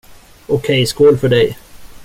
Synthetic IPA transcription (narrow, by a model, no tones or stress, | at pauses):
ʊkʰɛjskulfœɖɛj